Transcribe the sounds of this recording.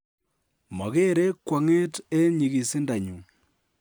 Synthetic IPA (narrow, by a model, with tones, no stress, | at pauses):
mɔ˨ke˦ɾe˦kwa˨ŋe˦te˦ɲi˨ɣi˨si˦nda˨ɲu˨